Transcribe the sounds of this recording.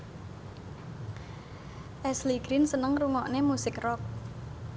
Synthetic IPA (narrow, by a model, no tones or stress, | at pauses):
ʔɛsliɡ̥ɾɪnsənəŋruŋɔʔnemusɪkrɔk̚